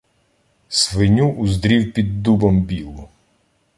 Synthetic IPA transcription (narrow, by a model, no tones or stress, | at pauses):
sʋɪnʲuʔzd̪ɾʲiwpʲid̪ːubɐmbʲilˠʊ